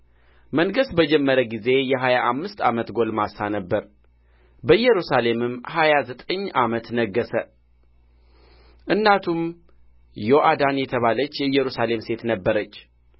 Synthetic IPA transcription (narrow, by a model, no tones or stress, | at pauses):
məŋɡəsbəd͡ʒɛmːəɾəɡize̞jɛɦajaʔamːɨst̪a̰mət̪ɡo̞lmasanəbːəɾ | bəɨjːɛɾusale̞mɨmːhajazət̪ʼəɲːʔamət̪nəɡːəsə | ʔɨnːat̪ʰum | joʔad̪anjɛt̪ʰəβalət͡ʃːjɛɨjːɛɾusale̞mse̞t̪nəbːəɾət͡ʃː